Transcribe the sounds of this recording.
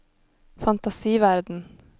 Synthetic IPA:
fɑnt̪ɑsiːʋæɾd̪n̩

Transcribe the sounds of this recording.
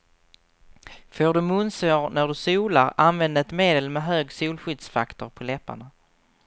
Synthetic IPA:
foːɖɵmɵnsoːɾnæɖɵsuːla̰ɾanvɛnd̪əɛt̪meːd̪əlmɛɦøːɡsuːlɧʏd̪sfakt̪ʊɾpʰɔlɛpːa̰ɳa

